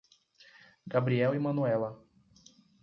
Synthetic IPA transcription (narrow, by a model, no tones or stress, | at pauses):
ɡabɾiɛwimɐ̃nuɛlɐ